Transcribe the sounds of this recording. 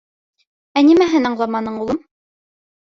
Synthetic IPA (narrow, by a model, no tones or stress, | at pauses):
ænimæɦɘnɑɴlˠɑmɑnɤɴulˠɤm